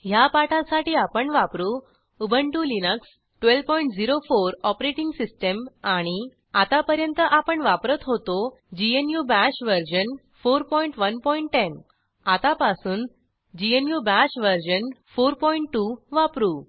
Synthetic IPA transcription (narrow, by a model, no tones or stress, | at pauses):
ɦjapaʈʰãsaʈiːapəɳʋapɾu | ubʱəɳʈulinəks | ʈʋelpɔiɳʈd͡ziɾofoɾɔpɾeʈiŋɡsisʈəmaɽ̃i | at̪apəɾjənt̪əʔapəɳʋapɾət̪ɦot̪o | d͡ʑienjubæɕʋəɾd͡ʑən | foɾpɔiɳʈʋənpɔiɳʈʈːen | at̪apasuːn | d͡ʑienjubaɕʋəɾd͡ʑənfoɾpɔiɳʈːuʋapɾuː